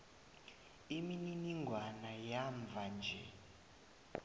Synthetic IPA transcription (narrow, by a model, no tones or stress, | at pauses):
imininiŋɡʱwanajaɱb̪vʱand͡ʒʱɛ̰